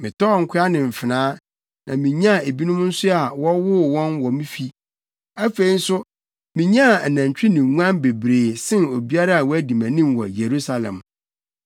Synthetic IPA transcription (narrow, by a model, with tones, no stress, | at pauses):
mɪ̃˨tɔ˦˨ŋ̩˨kʰʊ˦a˦nɪ̃˨m̩˨fɪ˨nãː˦ | nã˨mĩ˨ɲã˦˨e˨bi˦nʊ̃˦m˦n̩˦sʊ˦a˨wɔ˦wʊ˦˨wɔ̃˦nwɔ˨mĩ˦fi˦ | æ˦fe˨i˨˦n̩˦sʊ˦ | mɪ̃˨ɲã˦˨næ̃˨ɲ˨t͡ɕᶣɪ˦nĩ˨ŋu˦ã˦nbe˨bɾeː˨sɪ̃˦no˨bi˦a˦ɾa˦a˨wɔ˦æ˦di˨mæ̃˨nĩ˦mwɔ̰˨je˨ɾu˦sa˨lɛ̰̃˨m